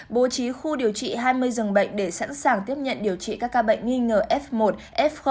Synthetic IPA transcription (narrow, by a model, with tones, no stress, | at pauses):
ɓo˨˩˦t͡ɕi˨˦xu˧ɗi˨˩əwt͡ɕḭ˧˨ɦaː˧jmɨ˧əjzɨ˨˩ŋɓə̰˧˨jŋ̟ɗe˧˩sa̰˧˥nsaː˨˩ŋt̪i˦˥əp̚ɲə̰˧˨nɗi˨˩əwt͡ɕḭ˧˨kaː˦˥kːaː˧ɓə̰˧˨jŋ̟ŋi˧ŋəː˨˩ʔɛ˦˥fmo˨˩t̚ʔɛ˦˥fx